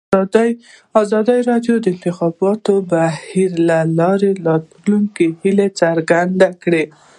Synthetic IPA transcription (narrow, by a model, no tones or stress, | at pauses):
ɑzɑd̪əjɾɑɖjod̪əɪnt̪ɪxɑbɑt̪obahiɾlalɑɾelɑt̪ | luŋkihilet͡saɾɡand̪akɽe